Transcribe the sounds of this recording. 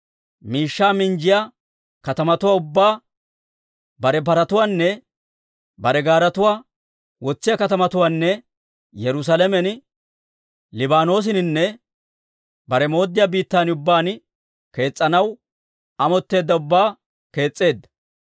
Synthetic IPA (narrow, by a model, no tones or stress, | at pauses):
miːʃːaːmɪnd͡ʒɪja | kɐt̪ɐmɐt̪ʊwaːʊbːaː | bɐɾɛpɐɾɐt̪ʊwaːnːɛ | bɐɾɛɡaːɾɐt̪ʊwaː | wɔt͡sːɪjakɐt̪ɐmɐt̪ʊwaːnːɛ | jɛɾʊs̬ɐlɛmɛn | lɪbaːno̞ːs̬ɪnɪnːɛ | bɐɾɛmo̞ːd̪ːɪjaːbiːt̪ːaːnʊbːaːn | ke̞ːt͡sʼːɐnɐw | ɐmɔt̪ːe̞ːd̪ːɐʊbːaː | ke̞ːt͡sʼːe̞ːd̪ːɐ̥